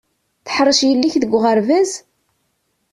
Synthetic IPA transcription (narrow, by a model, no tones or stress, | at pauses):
θə̥ħɾˤːəʃjəlːiçðəɡʷːʁəɾvæz